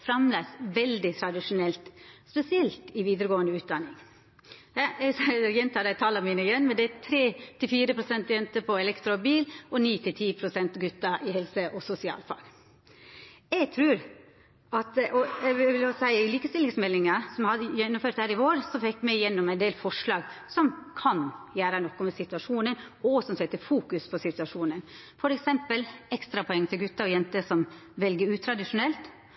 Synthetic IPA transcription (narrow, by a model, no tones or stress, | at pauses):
fɾɑmlæːsʋɛld̪ɪt̪ʰɾɑd̪ɪʂʊnɛlt̪spɛsɪɛlt̪ɪʋiːd̪əɾəɡoːənd̪əʉːt̪̚d̪ɑnːɪŋ | ɑɛɡsjɛnt̪ʰɑːd̪æɪt̪ʰɑːlɑmiːnəɪjɛnːmɛnd̪ɛæt̪ʰɾeːt̪ʰɪlfiːɾəpʰɾʊsɛnt̪jɛnt̪əpʰɔɛlɛkt̪ɾʊbiːlʔɔniːt̪ʰɪlt̪ʰiːpʰɾʊsɛnt̪ɡʉt̪ːɑʔɪhɛlsəʔɔsʊsɪɑ̰ːlfɑ̰ɡ | ɛɡt̪ʰɾʉːɾ | ɑt̪ʔɔɛʋɪʋɪlosæɪɪliːkəst̪ɪlɪŋsmɛlːɪŋɑsɔmhɑd̪jɛnːʊmføːɾt̪hæːɾɪʋoːɾsɔfɛkːmɛjɛnːʊmæɪnd̪eːlfɔʂɭɑːɡsɔmkʰɑnjæːɾənɔkːɔmɛsɪt̪ʉɑʂuːnən | ɔsɔmsɛt̪ːəfuːkʉspʰɔsɪt̪ʉɑʂuːnən | fɔɾɛksɛmpəlɛkst̪ɾɑpʰɔɛŋːt̪ʰɪlɡʉt̪ːɑɾɔjɛnt̪əsɔmʋɛlɡəɾʉːt̪ʰɾɑd̪ɪʂʊnɛlt̪